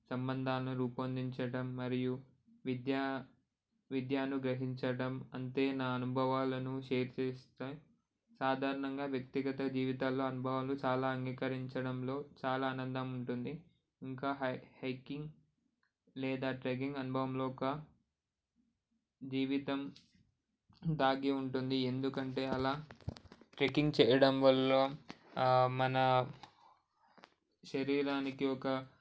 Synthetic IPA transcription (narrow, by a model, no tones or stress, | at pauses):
sɐmbɐnd̪ʱaːlɐnuɾuːpɐɐnd̪ʱiɲt͡ʃɐɽɐmːɐɾiju | ʋid̪jaː | ʋid̪jaːnuɡɾɐɦiɲt͡ʃɐɽɐmɐnt̪e̞ːnaːɐnubʱɐʋaːlɐnuʃeːɾt͡ʃeːst̪eː | saːd̪ʱaːɾɐɳɐŋɡaːʋjɐkt̪iɡɐt̪ɐd͡ʒiːʋit̪aːlːoːɐnubʱɐʋɐːlut͡ʃaːlaːɐŋɡiːkɐɾiɲt͡ʃɐɽɐmlo̞ːt͡ʃaːlaːnɐnd̪ɐmuɳʈund̪i | iŋkaːɦhɐjkiŋɡ | lɛːd̪aːʈɾeɡiŋɡɐnubʱɐʋɐmloːɔkɐ | d͡ʒiːʋit̪ɐm | d̪aːɡeuɳʈund̪ie̞nd̪ukɐɳʈe̞ːɐlaː | ʈɾekiŋɡt͡ʃɛːjɐɽɐmʋɐlːo̞ː | mɐnɐ | ʃɐɾiːɾaːnikiɔkɐ